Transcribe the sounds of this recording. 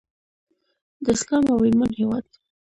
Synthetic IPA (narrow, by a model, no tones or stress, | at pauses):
d̪əskɑmawɪlmanhewɑd̪̚